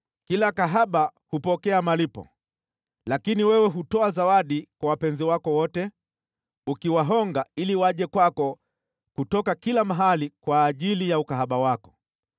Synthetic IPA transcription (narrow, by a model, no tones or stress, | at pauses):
kilakaɦaɓahupɔkɛamalipɔ̰ | lakiniwɛwɛɦutɔazawaɗikwawapɛnziwakɔwɔtɛ | ukiwaɦɔŋɡailiwaʄɛkwakɔ | kutɔkakilamaɦalikwaːʄilijaukaɦaɓawakɔ̥